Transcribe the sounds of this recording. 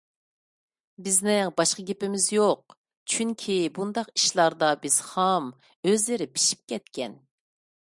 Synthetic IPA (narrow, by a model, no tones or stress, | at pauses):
bɪznɪŋbɑʃqəɡʲepɪmɪzjoq̚ | t͡ʃʰyŋkʲʰibund̪ɑqi̥ʃlˠɑɾd̪ɑbɪz̥hɑm | øzlɪɾɪpʰi̥ʃi̥p̚kʲʰɛt̪kʲʰɛn